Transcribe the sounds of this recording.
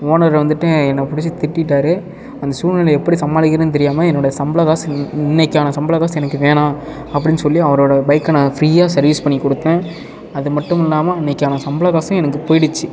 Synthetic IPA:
oːnɐɾʋɐnd̪ɯʈːɯɛnːɐpʊɽɪt͡ʃːɯt̪ɪʈːɪʈːaːɾɯ | ɐnd̪ɐsuːnɐlɐɛpːɐɽisɐmːaːlɪkːɪɾɐnɯt̪̬ɛɾɪjaːmɐɛnːoːɽɐjɐsɐmbɐlɐɣaːsɪnːɛkːaːnɐsɐmbɐlɐɣaːsɛnɐkːɯʋeːɳãː | ɐpːɐɽɪnsɔlːiɐʋɐɾoːɽɐbɐjkːɐnãːfɾiːjaːsɐɾʋiːspɐɳːikːɔɽɯt̪ːɛ̃ː | ɐðɯmɐʈːɯmɪlːaːmɐnːɛkːaːnɐsɐmbɐlɐɣaːsʊ̃ɛnɐkːɯpoːjɪɽɯt͡ʃːɯ

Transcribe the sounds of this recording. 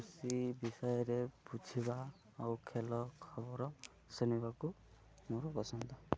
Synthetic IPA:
usibisɔjɔɾebud͡ʒʱiba | awkʰelɔkʰɔbɔɾɔ | sunibaku | moɾɔpɔsɔnd̪ɔ

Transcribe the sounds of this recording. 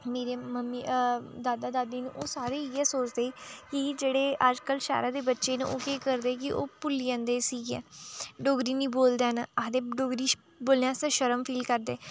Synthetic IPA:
meːɾeːməmːiːd̪aːd̪aːd̪aːd̪iːn̰ːʔoːsaːɾeːiːɛːsoːt͡ʃd̪eːkɪd͡ʒeːɽeːʔad͡ʒkəlʃa̰ːɾaːd̪eːbətːʃeːnḛʔoːkeːkəɾd̪eːk̬ɪʔo̰ːpʊlːiːãːnd̪eːsiːɡɛ̰̃ːɖoːɡɾiːnĩːboːld̪eːnad̪eːɖoːɡɾiː | boːlãːsəʃəɾəmpʰiːlkəɾd̪eː

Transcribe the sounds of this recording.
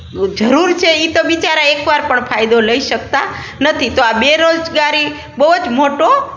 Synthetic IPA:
d͡ʒəɾuɾt͡ʃʰeit̪oʋit͡ʃaɾaekʋaɾpəɳpʰajd̪oləiʃək̚t̪a | nət̪ʰit̪oabeɾod͡ʒɡaɾi | bəɦud͡ʒmoʈo

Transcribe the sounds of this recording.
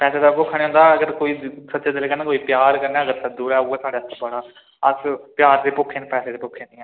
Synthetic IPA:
pɛːseːd̪aːpʊkʰːɽeːɦʊ̃ːnd̪aːəɡəɾkoːiːsətːt͡ʃaːd̪eleːkənẽːkoːiːpɪjaːɾkəɾneːəɡəɾsd̪uːɾɛːuːɛːsʰaːɽeːəst̪ʰːbəɽaː | əspɪjaːɾd̪eːpʊkʰẽːnːpɛːseːd̪eːpʊkʰːeːniːɛ̃ː

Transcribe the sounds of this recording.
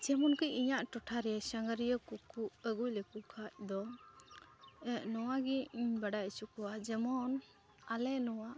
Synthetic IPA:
t͡ʃɛmɔnkɯiɲaʔʈɔʈʰaɾesaŋɡaɾijəkukuəɡujlekukʰac̚d̪ɔ | nɔwaɡibaɖajsukuwad͡ʒɛmɔn | alɛnɔwa

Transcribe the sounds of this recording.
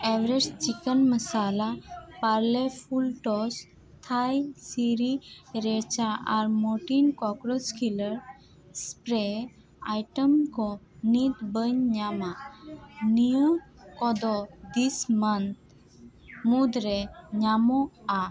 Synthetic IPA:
eʋɾed͡ʒt͡ʃikənməsalapaɾlefulʈɔs | t̪ʰajsiɾiɾet͡ʃaa̰ɾmoʈinkɔkɾɔskʰiləɾ | spɾe | ajʈəmkɔ | nit̪bəɲɲama | nijokɔd̪ɔd̪ismənt̪̚ | mud̪ɾeɲamɔa

